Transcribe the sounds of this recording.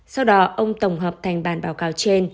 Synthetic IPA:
sa˧wɗɔ˨˦ʔə˧wŋ͡mt̪ə˧˩wŋ͡mɦəː˨˩p̚t̪ʰa˨˩jŋ̟ɓaː˧˩nɓaː˨˦wkaː˨˦wt͡ɕe˧n

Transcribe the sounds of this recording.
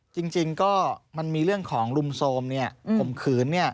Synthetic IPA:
t͡ɕi˧ŋt͡ɕi˧ŋkɔː˥˩ma˧nmiː˧ɾɯ˥˩əŋkʰɔː˩˦ŋlu˧msoː˧mni˥˩ɐpʰo˨˩˦mkʰɯː˨˩˦nːi˥˩ɐ

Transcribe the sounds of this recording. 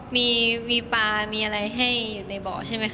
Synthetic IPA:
miː˧miː˧paː˧miː˧ʔa˧ɾa˧jɦa˥˩jːuː˨˩na˧jbɔː˨˩t͡ɕʰa˥˩ma˦˥j

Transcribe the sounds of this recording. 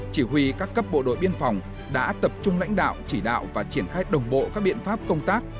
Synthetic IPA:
t͡ɕi˧˩hwi˧kaː˦˥kːə˦˥p̚ɓo̰˧˨ɗo̰˧˨jɓi˧ənfa˨˩wŋ͡m | ɗa̰ː˧˥t̪ə˨˩p̚t͡ɕʊ˧ŋ͡mla̰˧˥jŋ̟ɗa̰ː˧˨wt͡ɕi˧˩ɗa̰ː˧˨wvaː˨˩t͡ɕi˧˩ənxaː˧jɗə˨˩wŋ͡mɓo̰˧˨kaː˦˥k̚ɓḭ˧˨ənfaː˦˥p̚kə˧wŋ͡mt̪aː˦˥k̚

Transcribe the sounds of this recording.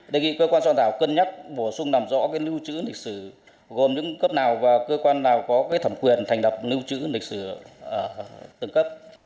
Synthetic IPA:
ɗe˨˩ŋḭ˧˨kəː˧kwaː˧nswa˧nt̪ʰaː˧˩wkə˧nɲa˦˥t̚ɓo˧˩sʊ˧ŋ͡mnaː˨˩mzɔ̰˧˥kaː˨˦jlɨ˧wt͡ɕɨ̰˧˥lï˨˩k̟̚sɨ˧˩ | ɣo˨˩mɲɨ̰˧˥ŋkə˦˥p̚naː˨˩wvaː˨˩kəː˧kwaː˧nːaː˨˩wkɔ˨˦kaː˨˦jt̪ʰə˧˩mkwi˨˩ənt̪ʰɛ˨˩ŋ̟lə˨˩wk͡p̚lɨ˧wt͡ɕɨ̰˧˥lï˨k̚sɨ˧˩ʔəː˧˩t̪ɨ˧˩ŋkə˦˥p̚

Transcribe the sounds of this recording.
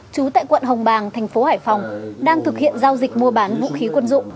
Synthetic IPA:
t͡ɕu˨˦t̪a̰ː˧˨jkwə̰˧˨nɦə˨˩wŋ͡mɓaː˨˩ŋt̪ʰɛ˨˩jŋ̟fo˨˦haː˧˩jfɔ˨˩wŋ͡mɗaː˧ŋt̪ʰɨ˨˩k̚hḭ˧˨ənzaː˧wzï˨˩k̚mu˧əɓaː˨˦nvṵ˧˥xi˨˦kwə˧nzʊ̰˧˨ŋ͡m

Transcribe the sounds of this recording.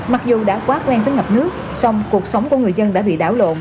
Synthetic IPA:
ma˨˩k̚zu˨˩ɗa̰ː˧˥kwaː˦˥k̚lwɛ˧nt̪əː˨˦jŋə˨˩p̚nɨ˦˥ək̚ | sa˧wŋ͡mku˨˩ək̚sə˨˦wŋ͡mku˧˩əŋɨ˨˩əjzə˧nɗa̰ː˧˥ɓḭ˧˨ɗa̰ː˧˩wlo̰˧˨n

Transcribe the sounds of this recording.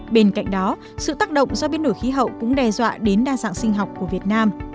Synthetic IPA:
ɓe˧nka̰˧˨jŋ̟ɗɔ˨˦ | sɨ̰˧˨t̪aː˦˥k̚ɗə̰˧˨wŋ͡msɔ˧ɓe˨˧˦nɗo˧˩jxi˨˦ɦə̰˧˨wkʊ̰˧˥ŋ͡mɗɛ˧zwa̰ː˧˨ɗe˨˦nɗaː˧za̰ː˧˨nsï˧ŋ̟ɦa˨˩wk͡p̚kːu˧˩vi˨˩ət̚naː˧m

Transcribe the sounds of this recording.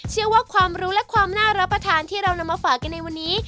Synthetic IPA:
t͡ɕʰɯ˥˩əwaː˥˩kʰwaː˧mɾuː˦˥lɛ˦˥kʰwaː˧mnaː˥˩ɾa˦˥pɾa˧t̪ʰaː˧nt̪ʰiː˥˩ɾa˧wna˧mːaː˧faː˨˩kːa˧nːa˧jwa˧nːiː˦˥

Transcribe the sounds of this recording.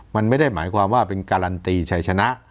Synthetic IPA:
ma˧nma˥˩jda˥˩jmaː˩˦jkʰwaː˧mwaː˥˩pe˧nkaː˧ɾa˧nt̪iː˧t͡ɕʰa˧jt͡ɕʰa˧na˦˥ʔ

